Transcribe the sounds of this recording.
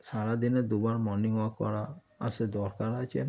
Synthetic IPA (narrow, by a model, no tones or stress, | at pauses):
saɾad̪ined̪ubaɾmɔniŋwakɔ̰ɾa | a̰sɛd̪ɔɾkaɾat͡ʃʰe